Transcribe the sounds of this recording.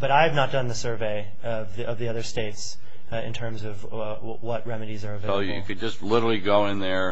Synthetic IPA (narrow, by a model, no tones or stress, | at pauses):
b̥ʌɾaɪɨvnət̚d̥ʌ̃nðɨsɜ˞veɪ | ʌvðʔʌvðiʌðə˞steɪts | ɪ̰̃ntʰɜ̃˞mzʌv | wʌʔ̚ɹɛmɨɾizə˞ʌv | jɨ̰kɨd̚d͡ʒʌstˡlɪɾə˞l̩ˠiɡoʊɪ̃nðə˞